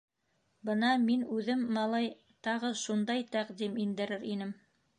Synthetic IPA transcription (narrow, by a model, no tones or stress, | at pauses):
bɤnɑminʉðɘmːɑlˠɑj | t̪ɑʁɤʃund̪ɑjt̪æqd̪imind̪ɘ̆ɾɘɾinɘm